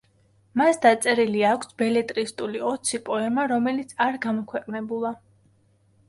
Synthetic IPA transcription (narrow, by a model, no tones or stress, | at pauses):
masd̪at̪sʼɛɾiliakʷʰsbɛlɛt̪ʼɾist̪ʼuliɔt̪sʰipʼɔɛmaɾɔmɛlit̪sʰaɾɡamɔkʰwɛqʼnɛbulˠa